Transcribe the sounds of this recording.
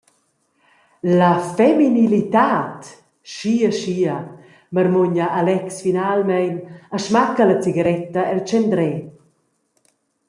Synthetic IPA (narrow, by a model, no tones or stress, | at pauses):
lafɛminilit̪at̪ | ʃiəʃiə | mərmuɲəʔalɛksfinalmɛjnəʃmakəlat͡siɡəɾɛt̪əɛlt͡ʃɛnd̪ɾɛ